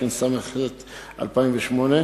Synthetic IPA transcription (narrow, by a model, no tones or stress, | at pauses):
ensameχlet̪ | ʔa̰lpaimveʃmone